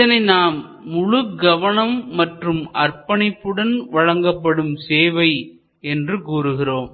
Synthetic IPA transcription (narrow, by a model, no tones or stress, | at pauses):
ɐnɐɪnaːmː | ʊɻɯɡɐʋɐnɐmːɐʈrɯmɐrpɐɳɪpːɯɽɐnʋɐɻɐŋɡɐpːɐɽɯmseːʋɐɪ | ɛndrɯkuːɾɯɣɪroːm